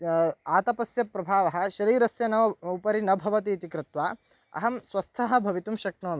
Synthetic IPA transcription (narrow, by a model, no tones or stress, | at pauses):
aːt̪ɐpɐsjɐpɾɐbʱaːʋɐɦɐ̆ʃɐɾiːɾɐsjɐnɐʋupɐɾinɐbʱɐʋɐt̪iːt̪ikɾɪt̪ʋaː | ɐ̰ɦɐmsʋɐst̪ʰɐɦɐ̆bʱɐʋit̪umʃɐk̚ɳoːn